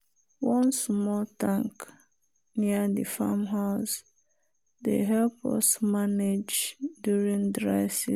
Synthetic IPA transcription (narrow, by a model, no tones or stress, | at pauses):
wʌ̃nsmɔltãŋk | niədɨ̰fa̰mɦaʊs | dḛɦɛlpɔ̰smaned͡ʒdjuɹĩŋdɹa̰ɪsi